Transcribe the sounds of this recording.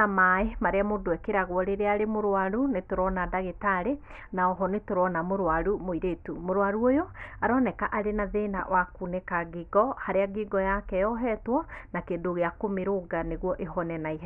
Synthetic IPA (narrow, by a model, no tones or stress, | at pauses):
amaemaɾeamodoɛkeɾaɣwɔɾeɾeaɾemoɾwaɾunetoɾɔnadaɣetaɾe | naɔɦɔnetoɾɔnamoɾwaɾumoiɾetumoɾwaɾuojɔaɾɔnɛkaʔaɾenaðena̰wakunɛkaɡiɡɔhaɾeaɡiɡɔjakɛjɔɦɛtwɔnakedoɣeakomeɾoɡaneɣwɔʔeɦɔnɛnaiɦ